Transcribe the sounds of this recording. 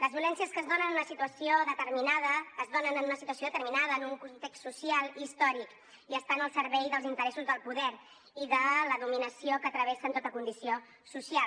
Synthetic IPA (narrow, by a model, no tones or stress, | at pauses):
ləzβiulɛnsiəskəːzðonənnunəsit̪uəsioðət̪əɾminaðəːzðonənənunəsit̪uəsioðət̪əɾminaðəːnuŋkunt̪ekstːusialˠist̪ɔɾik | iəst̪anəlˠsəɾβɛjðəlˠzint̪əɾɛsuzðəlˠpuðɛɾ | iðələðuminəsiokəːt̪ɾəβ̞ɛsənt̪ot̪əkund̪isio | susial